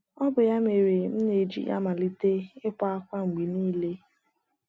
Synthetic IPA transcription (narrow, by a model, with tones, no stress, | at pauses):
ɔ˦bʊ˨ja˦me˨ɾe˨m̩˦ne˨d͡ʒḭ˦ja̰˦ma˨li˦te˦ɪ˦kʷa˦a˦kʷa˦ŋ͡m̩˨ɡ͡bi˨niː˦le˦